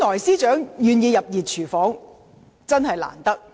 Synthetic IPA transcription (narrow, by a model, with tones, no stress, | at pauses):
nɔː˨˩jsiː˥t͡ʃœː˨˥ŋjyː˨njiː˨˧jɐ˨p̚jiː˨t̚t͡ʃʰyː˨˩fɔː˨˥ŋ | t͡sɐ˥nɦɐ˨jla̰ː˨˩nt̪ɐ˥k̚